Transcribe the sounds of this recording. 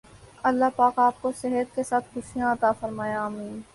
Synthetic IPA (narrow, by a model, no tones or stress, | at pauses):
ɐlːaɦpaːkaːp̚koseɦət̪̚kesaːt̪xʊʃijãɐt̪aːfɐɾmaːjaːmiːn